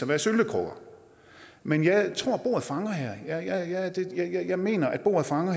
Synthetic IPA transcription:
ɒʋæɐsøld̥əkʰʁɔ̰ɡ̥ɐ | menjɑ̈ɪt͡sʰʁo̝ɐ̰b̥o̝̰ːɐð̩ˠfɑ̈ŋɐɦæɐ̰jɑjɑjɑd̥e̝jjɑjɑɪme̝̰ːnɐʔæd̥̚b̥o̝̰ːɐð̩ˠfɑ̈ŋɐ

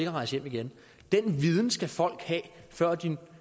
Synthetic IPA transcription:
eɡ̥ɐʁɑ̈ɪsəjem̰iɡ̥en | d̥enʋið̞ˠn̩sɡ̥æfɒ̽l̰ɡ̥hɛːfɶɐ̰d̥in

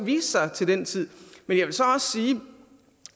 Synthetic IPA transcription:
ʋiːssɑ̈ɪt͡sʰe̝ld̥ent͡sʰið̰ˠmenjɑ̈ʋe̝lsɒ̽ɒ̽ssiː

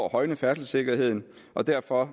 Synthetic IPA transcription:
ɐhɒ̽ɪnəfæɐsl̩se̝ɡ̥ɐhe̝ð̞̰ˠn̩ | ʔɒ̽d̥æɐ̰fɒ̽

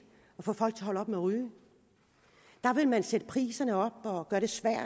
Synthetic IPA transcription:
ɒ̽fɔ̰̽ːfɒ̽l̰ɡ̥̚t͡sʰeɦɒ̽lɒ̽b̥meʁyː | d̥ɑ̈ʋe̝lmænsed̥əpʰʁḭːsɐnəɒ̽b̥ɒ̽ɡ̥ɶːɐɾ̥e̝sʋæɐ̰

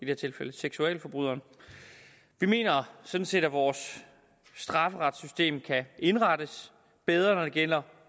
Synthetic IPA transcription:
id̥ehæɐ̰t͡sʰe̝lfeləseɡ̥suɛ̰ːlfɒ̽b̥ʁuð̰ˠɐn | ʋime̝̰ːnɐsɒ̽d̥n̩se̝̰ːd̥æʋɒːsː | d̥ʁɑ̈fəʁɑ̈d̥sysd̥e̝̰ːmkʰæʔe̝nʁɑ̈d̥əs | b̥eð̞ˠʁɐnɒ̽ɾ̥e̝ɡ̥el̰ɐ

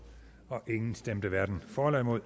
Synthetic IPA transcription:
ɒ̽ʔe̝ŋn̩sd̥emd̥əʋæɐd̥n̩fɒːlæmo̝ðˠ

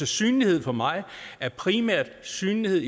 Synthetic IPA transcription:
əsy̰ːnlihe̝ð̞̰ˠfɒ̽mɑ̈ɪæɐpʰʁimæɐ̰d̥syːnlihe̝ð̰ˠ

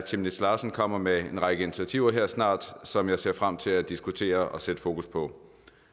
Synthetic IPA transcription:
t͡sʰimne̥slɑ̈ːsn̩kʰɒ̽m̰ɐmeenʁɑ̈ɡ̥əinit͡sʰæt͡sʰiʊ̰ɐɦeɐ̰snɑ̰̈ːd̥sɒ̽mjɑ̈ɪse̝ɐ̰fʁam̰t͡sʰe̝læd̥isɡ̥ut͡sʰe̝̰ːɐɒ̽sed̥əfo̝ːkʰuspʰɒ̽

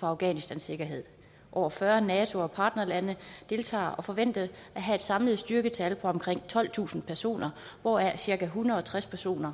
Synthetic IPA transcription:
fɒɑ̈ʊɡ̥ɛ̰ːnisd̥ænsːe̝ɡ̥ɐɦe̝ð̞̰ˠ | ʔɒːfɶɐnɛːt͡sʰo̝ɒ̽pʰɑ̈ːd̥nɐlænəd̥e̝lt͡sʰɑ̰̈ːɒ̽fɒ̽ʋen̰d̥əʔæɦæe̝d̥sɑ̈mləð̩ˠsd̥yɐɡ̥ət͡sʰælpʰɒ̽ɒ̽mkʰʁeŋ̰t͡sʰɒ̽l̰t͡sʰṵːsn̩pʰæɐso̝̰ːnɐ | ʋɒæɐsiɐɡ̥æɦunɐð̩ˠɒ̽t͡sʰʁaspʰæɐso̝̰ːnɐ

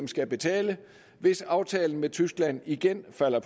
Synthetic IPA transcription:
msɡ̥æb̥e̝t͡sʰɛ̰ːlə | ʋe̝sɑ̈ʊt͡sʰɛːln̩met͡sʰysɡ̥læn̰iɡ̥enfæl̰ɐpʰ

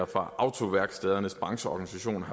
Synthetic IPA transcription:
ɐfʁɑ̈ʔʔɑ̈ʊt͡sʰo̝ʋæɐɡ̥sd̥ɛð̞ˠɐnəsb̥ʁɑ̈ŋɕəɒ̰ɡ̥ænisæɕo̝̰ːnɑ

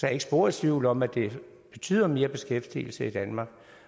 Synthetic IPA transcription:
sɒeɡ̥sb̥o̝ːɐ̥sʋiʊ̰lɒ̽mæd̥e̝ | b̥e̝t͡sʰy̰ːðˠɐme̝ːɐb̥e̝sɡ̥efd̥ḭːl̩səid̥ænmɑ̈ːɡ̥

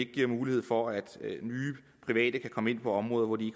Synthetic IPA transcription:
e̝ɡ̥̚ɡ̥iɐ̰muːlie̝ð̞̰ˠfɒ̽æd̥nyː | pʰʁiʋɛ̰ːd̥əkʰækʰɒ̽məe̝n̰pʰɒ̽ɒ̽mʁɔ̽ːðˠɐʋɒd̥ie̝ɡ̥

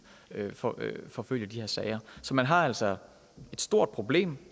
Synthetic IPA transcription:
øfɒfɒ̽føl̰jəd̥ihɛɐsɛɪɐsɒ̽mænɦɑ̈æl̰sɒ | e̝d̥sd̥o̝ɐ̰d̥̚pʰʁo̝b̥le̝̰ːm

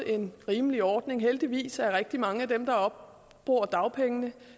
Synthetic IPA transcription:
e̝nʁiːməliɒːd̥ne̝ŋɦeld̥iʋḭːsæʁɛɡ̥̚d̥imɑ̈ŋəæd̥emd̥ɑ̈ɒ̽b̥̚ | b̥ʁoːɐd̥ɑ̈ʊpʰeŋənə

